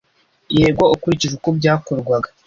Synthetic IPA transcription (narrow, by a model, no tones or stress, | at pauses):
jeːɡwaukuɾiciʒukobɟaːkoɾɡwaɡḁ